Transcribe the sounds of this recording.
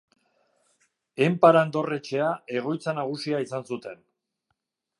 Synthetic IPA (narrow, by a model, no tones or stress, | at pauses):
e̞mpaɾand̪o̞re̞t͡ʃe̞ae̞ɣ̞o̞jt͡sanaɣ̞usiaisansut̪e̞n